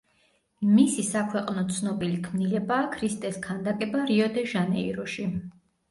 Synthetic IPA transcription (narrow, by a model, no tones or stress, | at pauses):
misisakʰwɛqʼnɔt̪sʰnɔbilikʰmnilɛbaːkʰɾist̪ʼɛskʰand̪akʼɛbaɾiɔd̪ɛʒanɛiɾɔʃi